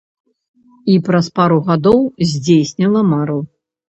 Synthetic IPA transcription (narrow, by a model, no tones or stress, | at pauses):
ipɾɐspaɾuɣad̪ɔwzʲd͡zʲejsʲnʲilˠɐmaɾu